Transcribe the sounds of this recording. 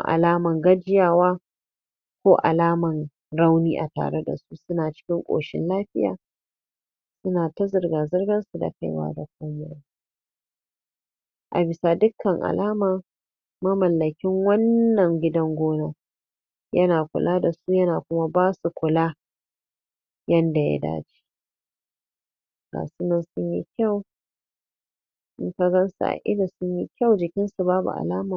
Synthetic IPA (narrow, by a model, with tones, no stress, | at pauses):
ʔa̰˨laː˦mɐ˨ŋɡɐ˦d͡ʒɪ˦jaː˦˨waː˦ | kʷoː˦ʔa̰˨laː˦mɐ˨n | ɽa˦wniː˦ʔa̰˨ta̰ː˨ɽe˦da̰˨su˦sʊ˦naː˨t͡ʃɪ̥˦kʲɪ˦ŋkʷʼo̰ː˨ʃɪ̰˦nlaː˦ɸɪ˦ja̰ː˨ | sʊ˦naː˨ta˦zɪ˨rɡaː˨zɐ˦rɡɐ˦nsu˨da̰˨ka̰˦jwa̰ː˦da˨kʷoː˦mʊ˨ja˦ | ʔa̰˨bɪ˨sa˨dʊ˦kʰːɐ˨ŋʔa̰˨laː˦maː˨ | mɐ˦mɐ˨lːɐ˨kʲɪ˦ŋwɐ˦nːɐ˨ŋɡʲɪ˦dɐ˦ŋɡʷoː˦na˦ | jɐ˦naː˨kʷʊ̰˨lʔaː˦da˨suː˦jɐ˦naː˨kʷʊ˦ma˦baː˦su˨kʷʊ˨la˦ | jɐ˦nda˨ja̰˦da̰ː˦d͡ʒi̥˦ | ɡa̰ː˨su˦nɐ˨nsʊ˦ɲjḭ˦kʲa˦˨w | ʔɪ̰˦ka˦ɡɐ˦nsa̰˨ʔa̰˨ʔɪ˦da˨sʊ˦ɲji˦kʲa˦wd͡ʒɪ˨kʲɪ˦nsu˨baː˦bṵ˨ʔa̰˨laː˦ma˨